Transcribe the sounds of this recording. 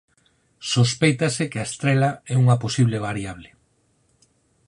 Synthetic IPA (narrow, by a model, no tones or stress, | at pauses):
sospejt̪ɐsɪkeɐest̪ɾɛlaɛuŋɐposiβ̞leβaɾiaβ̞lɪ